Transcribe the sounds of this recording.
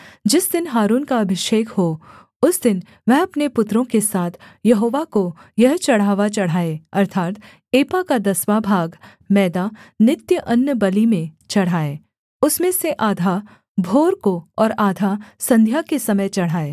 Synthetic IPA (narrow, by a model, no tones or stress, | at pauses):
d͡ʒɪsd̪ɪnɦaːɾuːnkaɐbʱɪʃeːkho | ʊsd̪ɪn | ʋɛɦɐpnepʊt̪ɾõkesaːt̪ʰjɐɦoːʋakojɐɦt͡ʃɐɽ̤aːʋat͡ʃɐɽ̤aːeːɐɾt̪ʰaːt̪ | eːpakad̪ɐswaːbʱaːɡ | mɛːd̪anɪt̪jəʔɐnjəbɐlimẽt͡ʃɐɽ̤aːeː | ʊsmẽseʔaːd̪ʱaː | bʱoːɾkoɔːɾaːd̪ʱasɐ̃nd̪ʱjakesɐməjt͡ʃɐɽ̤ɦaːeː